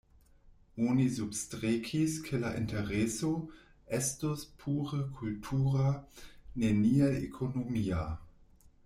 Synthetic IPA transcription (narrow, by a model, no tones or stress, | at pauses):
onisubstɾekʰiskʰelaʔḭnteʁeso | ʔɛstospʰuːɾəkʰultʰuːʁaneniajḛkʰonomia